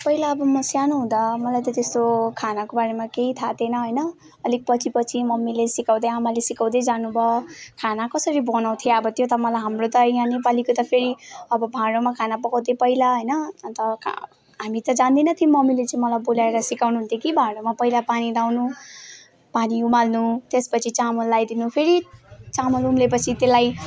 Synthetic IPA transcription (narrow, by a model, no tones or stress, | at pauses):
pʌilaːbʌmʌsjanuɦũd̪amʌlajt̪ʌt̪est̪okʰanakobaɾemakeit̪ʰat̪ʰenʌɦʌjnʌː | lik̚pʌt͡sʰipʌt͡sʰimʌmːilesikaw̃d̪ʌjamalesikaw̃d̪ʌjd͡zanubʱʌkʰanakʌsʌɾibʌnaw̃t̪ʰjeʌbʌt̪jot̪ʌmʌlajɦamrot̪ʌiãnepalikot̪ʌpʰeɾiʌbʌbʱaɽomakʰanapʌkaw̃d̪epʌɦilaɦʌjnʌnt̪ʌ̰ | ɦamit̪ʌd͡zand̪inʌt̪ʰimʌmːilet͡saĩmʌlabolaeɾʌsikawnuɦunt̪ʰekibʱaɽomapʌilapaniɾawnu | paniumalnut̪espʌt͡sʰit͡samolːajd̪inupʰeɾit͡samolumlepʌt͡sʰit̪elaj